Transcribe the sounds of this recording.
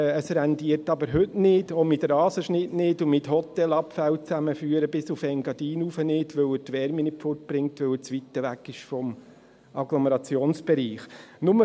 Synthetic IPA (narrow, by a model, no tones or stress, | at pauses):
əsɾændiəɾtɑbəɾɦɵtnɪdomɪtɾɑːsəʃnɪtnɪːdumɪthɔtɛlɑpfæwt͡sæməfyːəɾəbɪsufɛŋɡɑdiːnufənɪːtʋɵwəɾtʋɛɾminɪfɔrt̚b̥ɾɪŋtʋɵwət͡sʋit̪ːəʋækːɪʃfɔm | ʔɑɡloməɾɑt͡sjoːnsb̥ɛɾiːχnʊmə